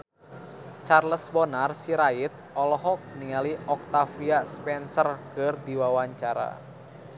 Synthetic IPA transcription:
t͡ʃarləsbɔnarsiɾaɪt̪̚ɔlɔɦɔk̚niŋaliʔɔk̚t̪afiaspɛnsərkɨrdiwawaɲt͡ʃaɾa̰

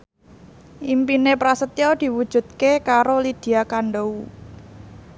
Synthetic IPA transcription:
ʔimpinepɾasət̪jɔd̪̥i̤wud̥ʒ̥ṳd̪̚kekaɾolid̪̥i̤akaɳɖou

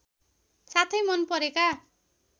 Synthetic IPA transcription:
sat̪ʰʌjmʌnpʌɾeka

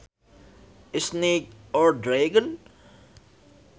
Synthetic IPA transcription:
ɪsneːkɔːɾɖɾeːɡən

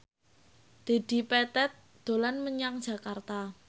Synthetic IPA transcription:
d̪̥e̤d̪̥i̤pɛt̪ɛt̪̚ | d̪̥o̤lanməɲaŋd̥ʒ̥ä̤kart̪a

